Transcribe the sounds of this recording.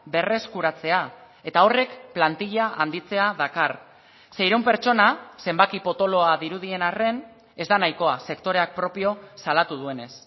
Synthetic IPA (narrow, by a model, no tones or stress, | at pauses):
be̞re̞skuɾat͡se̞a | e̞t̪ao̞re̞kplant̪iʎaʔand̪it͡se̞aðakar | sejɾeumpe̞ɾt͡ʃo̞nase̞mbakipo̞t̪o̞lo̞aðiɾuð̞ie̞nare̞n | e̞zd̪anajko̞ase̞kt̪o̞ɾe̞ak̚pɾo̞pio̞salat̪uð̞ue̞ne̞s